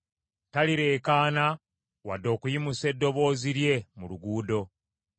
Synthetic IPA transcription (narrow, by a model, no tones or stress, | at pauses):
taliɾe̞ːkaːna | wadːo̞ːkujimuse̞dːo̞βo̞ːziɾje̞muluɡuːdo̞